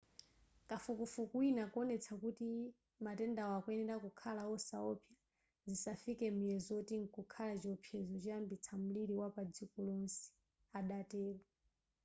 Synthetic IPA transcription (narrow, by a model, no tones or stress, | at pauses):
kafukufukwinakuɔnɛt͡sʰakuti | matɛndawakwɛnɛɾakukʰalawɔsaɔpja | zisafikɛmujɛzɔtiŋkukʰalat͡ʃiɔpʰjɛzɔt͡ʃambit͡sʰam̩liɾiwapad͡zikɔlɔnsi̥ | aɗatɛːlɔ